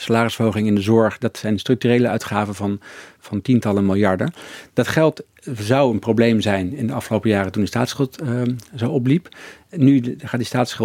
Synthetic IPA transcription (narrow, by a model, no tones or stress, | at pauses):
salaːrɪsfowχɪŋɪndəzɔɹχdɑtsɛjnstrɵk̚tyrejləœ̰ɥtχaːvəvɑnv̥ɑntintɑləmɪlˠjɑɹdəd̥ɑtχɛlˠt | zɑwənprowblejmzɛjnɪndəɑfχəlowpəjaːrətundəsta̰ːtsχɪlˠtzowɔp̬lip | nyχaːtdistaːtsχɪ